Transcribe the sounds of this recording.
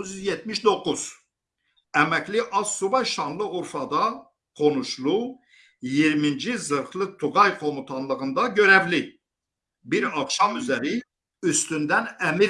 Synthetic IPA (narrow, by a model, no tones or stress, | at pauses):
zjyzjet̪miʃd̪o̞kʰːuz̥ | æmækliʔɑzsubɑʃɑnlˠɯuɾfɑd̪ɑ | qʰo̞nuʃlˠu | jiɾmind͡ʒizɯɾχlˠɯt̪ʰuɡɑjqʰo̞mut̪ʰɑnlˠɯɣɯnd̪ɑɟøɾævli | biɾɑχʃɑmyzæɾi | yst̪ynd̪ænæmiɾ